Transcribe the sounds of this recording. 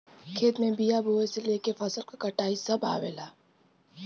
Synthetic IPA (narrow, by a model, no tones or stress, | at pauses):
kʰeːt̪mẽbijaboːeseleːkefɐsəlkokɐʈaːisɐba̰ːweːlaː